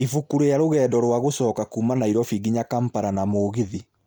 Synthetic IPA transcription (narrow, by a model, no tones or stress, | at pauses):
ifukuɾejaɾoɣɛːdɔɾwaɣosɔkakuːmanaiɾɔfiɡiɲakampaɾanamoːɣiði